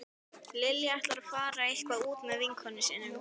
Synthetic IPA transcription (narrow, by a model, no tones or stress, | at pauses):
lɪljaht̪laɾḁfaːɾaihkvaðuːt̪mɛðvɪŋkʰhɔnːɪsɪːnʏm